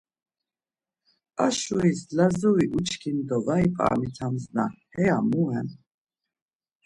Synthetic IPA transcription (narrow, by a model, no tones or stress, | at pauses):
aʃuislazuviʔut͡ʃʰkʰind̪ɔvaipʼa̰mit͡s̪ʰamznahɛamuɛn